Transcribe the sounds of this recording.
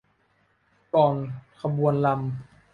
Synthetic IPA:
kɔː˨˩nkʰa˧bu˧ənla˧m

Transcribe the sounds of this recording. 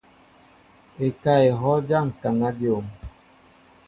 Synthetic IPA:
e˨ka˦e˨ɦɔ˦d͡ʒa˦˨ŋ̩˨ka˨ŋa˦djo˨m

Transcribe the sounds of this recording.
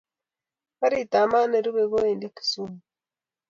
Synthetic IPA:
ka˦ɾi˨ta˨ma˦ne˨ɾu˦βe˨ɣo˦e˨ndi˦ki̥˨su˦mu˨

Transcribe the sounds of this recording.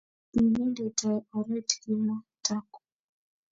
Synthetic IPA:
i˨ni˦ndɛ˨ta˨ɔ˨ɾɛ˦tki˦ma˦ta˦kɔ̥˨

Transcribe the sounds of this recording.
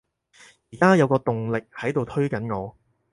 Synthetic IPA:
jiː˨˩kaː˥jɐ˨˧wkɔː˧t̪ʊ˨ŋlɪ˨k̚hɐ˨˥jt̪o˨wt̪ʰɵ˥ɥkɐ˨˥nŋɔː˨˧

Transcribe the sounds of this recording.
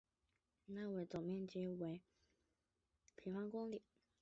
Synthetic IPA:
na˥˩wə˧˩t͡so˨˩ŋmjɛ˥˩nt͡ɕi˥we˧˥ɪ | pʰi˨˥˩fɑ˥ŋkʊ˥ŋli˨˩˦

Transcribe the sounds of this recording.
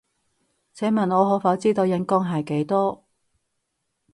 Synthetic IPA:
t͡sʰɛː˨˥mɐ˨nɔː˨˧ɦɔː˨˥fɐ˨˥wt͡siː˥t̪o˧wjɐ˨˥nkɔː˥ŋɦɐ˨˩jke˨˥jt̪ɔː˥

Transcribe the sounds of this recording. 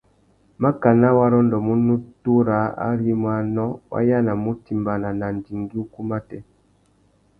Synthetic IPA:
ma˦ka˨na˦wa˦ɾɔ˦ndɔ˨mu˦nu˦tu˦ɾa˨˦a̰˦ɾi˦mwa˨nɔ˦wʔa̰˦ja˦na˨mu˦ti˨mba˨na˨na˨n˨di˨ŋɡi˦u˦ku˦ma˦tɛ˦

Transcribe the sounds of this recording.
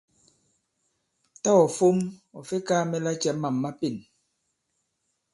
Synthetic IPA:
ta˦ɔ˨fo˦mɔ˨fe˦kaː˦mɛ˦la˦t͡ʃɛ˨˦ma˨mːa˦pi˦˨n

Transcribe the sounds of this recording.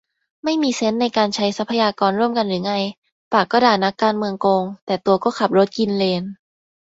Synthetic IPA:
ma˥˩jmiː˧se˦˥nːa˧jkaː˧nt͡ɕʰa˦˥jsa˦˥pʰːa˧jaː˧kɔː˧nɾu˥˩əmka˧nɾɯː˩˦ŋa˥˩j | paː˨˩kːɔː˥˩daː˧˩na˦˥kːaː˧nmɯ˧əŋkoː˧ŋt̪ɛː˨˩t̪u˧ɐkɔː˥˩kʰa˨˩p̚ɾo˦˥t̪̚ki˧nleː˧n

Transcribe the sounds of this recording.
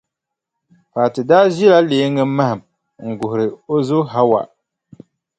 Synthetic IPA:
pa˨tɨ˨daː˦ʒi˦la˦leː˨˦ŋːɨ˦ma˦hɪ˨m | ŋ̩˨ɡʊ˨hʊ˨ɾɨ˨o˦zʊ˦ɦa˦wa̰˨

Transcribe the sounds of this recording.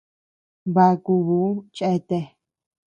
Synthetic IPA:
βa˧ku˧βu˨˦t͡ʃe˧t̪e˧

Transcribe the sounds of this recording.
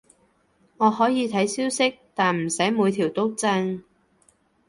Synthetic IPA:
ŋɔː˨˧hɔː˨˥jiː˨˧t̪ʰɐ˨˥jsiː˥wsɪ˥k̚t̪aː˨nm̩˨˩sɐ˨˥jmuː˨˧jt̪ʰiː˨˩wt̪o˥w̚t͡sɐ˧ŋ

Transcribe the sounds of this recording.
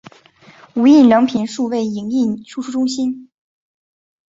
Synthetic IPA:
u˧˥i˥˩nljɑ˧˥ŋpʰi˧˩nʂu˥˧we˥˩ɪi˨˩ŋi˥˩nʈ͡ʂʰu˥˧˩ʂu˥˩ʈ͡ʂʊ˥ŋɕi˥n

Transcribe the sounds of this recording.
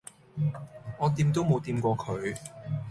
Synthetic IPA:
ŋɔː˨˧t̪iː˧mt̪o˥wmo˨˧wt̪iː˧mkʷɔː˧kʰɵ˨˧ɥ

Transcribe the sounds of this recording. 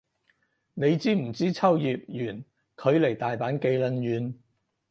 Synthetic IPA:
ne˨˧jt͡siː˥˩m̩˨˩t͡siː˥t͡sʰɐ˥wjiː˨p̚jyː˨˩n | kʰɵ˨˧ɥle˨˩jt̪aː˨jpaː˨˥nke˧jlə˧njyː˨˧n

